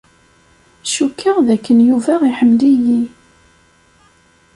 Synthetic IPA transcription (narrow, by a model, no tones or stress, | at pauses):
ʃukːəʁðækːənjuvæiħəmːliji